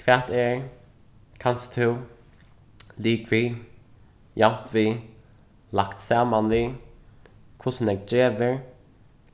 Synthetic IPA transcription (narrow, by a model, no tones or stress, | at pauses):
kʰvat̪ɛɹ | kʰanst̪ʰɪw | liːɡviː | jant̪viː | lakt̪saːmanliː | kʰʊsnɛɡ̚d͡ʒeːvəɹ